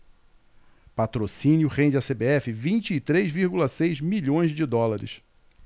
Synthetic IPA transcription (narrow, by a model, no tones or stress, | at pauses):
pat̪ɾosĩnjʊʁẽd͡ʒɪɐsebeɛfɪvĩnt͡ʃɪːt̪ɾezviɾɡulɐsejzmiʎõj̃zd͡ʒɪd̪ɔlaɾɪ̰s